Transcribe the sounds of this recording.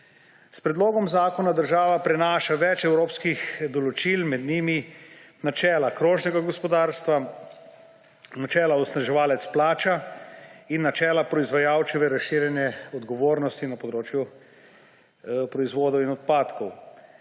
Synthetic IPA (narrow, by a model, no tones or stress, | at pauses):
spɾɛd̪loːɡɔmzaːkɔnad̪əɾʒaːʋapɾɛnaːʃaʋɛt͡ʃɛwɾoːpskixd̪ɔlɔt͡ʃilmɛd̪niːminat͡ʃɛːlakɾoːʒnɛɡaɡɔspɔd̪aːɾst̪ʋa | nat͡ʃɛːlaɔsnaʒɛʋaːlɛt̪splaːt͡ʃa | inːat͡ʃɛːlapɾɔizʋajaːwt͡ʃiʋɛɾasʃiːɾjɛnjɛɔd̪ɡɔʋoːɾnɔst̪inapɔd̪ɾoːt͡ʃju | pɾɔizʋoːd̪ɔwinɔt̪̚paːt̪kɔw